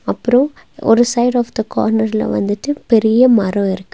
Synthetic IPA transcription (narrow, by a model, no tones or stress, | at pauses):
ɐpːɯɾõː | ɔ̰ɾɯsɐɪɽɔːfd̪ɐko̰ːɾnɐɾɪlɐ̰ʋɐ̰nd̪ɯʈːɯpɛɾɪjɐmɐrɐ̃ɪɾɯkːɯ̥